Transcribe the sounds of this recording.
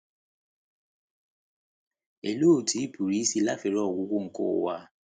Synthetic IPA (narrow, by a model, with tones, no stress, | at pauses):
e˨loː˦˨tʰi˨˦pʰu˨ɾi˨˦si˦la˦fe˨ɾɔ˦ɔ˨ɡu˨˦ɡu˦ŋ̩˨ko̰˦˨wa˦